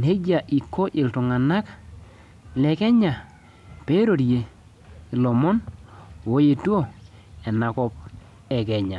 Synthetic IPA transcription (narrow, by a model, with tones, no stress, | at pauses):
nhe˦d͡ʒa˨ʔi˨kːo˦ʔɪ˨ltʊ˨ŋa˨na˦k | lɛ˨kɛ˦ɲa˨ | pe˦ɾo˨ɾje˨ | i˨lɔ˨mɔ˦n˨wo˦je˨tu˦o˦˨ | ɛ˨na˨kɔ˦p̚ | ɛ˨kɛ˨ɲa˨